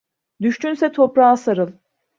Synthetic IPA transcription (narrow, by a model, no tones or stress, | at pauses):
d̪yʃt̪ynsɛt̪ʰo̞pɾaːsaɾɯlˠ